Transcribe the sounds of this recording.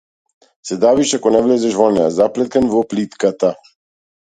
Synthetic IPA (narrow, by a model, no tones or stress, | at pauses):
sɛd̪aviʃakɔnɛvlɛzɛʃvɔnɛja̰zaplɛt̪kanvɔplit̪kat̪a